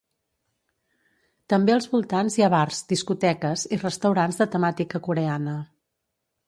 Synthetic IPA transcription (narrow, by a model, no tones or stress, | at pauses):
t̪əmbeəlˠzβulˠt̪anzjaβarzd̪iskut̪ɛkəzirəst̪əwɾanzðət̪əmat̪ikəkuɾeanə